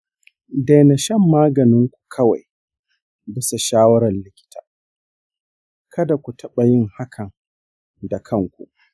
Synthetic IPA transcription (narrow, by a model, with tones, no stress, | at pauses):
da˨jna˨ʃɛ˦˨mːaː˦ɡɐ˨nɪ˦ŋkʷu̥˨kʰɐ˦wa̰˨j | bɪ˦sa˨ʃaː˦wɐ˦ɾɐ˨nlɪ˦kʲɪ̥˦tʰaː˨ | kʰɐ˦da˨kʷu˨tʰɐ˦ɓa˨jɪ˦ŋha˦kʰɐ˨ŋ | da˨kʰɐ˦ŋkʷṵ˨ʔ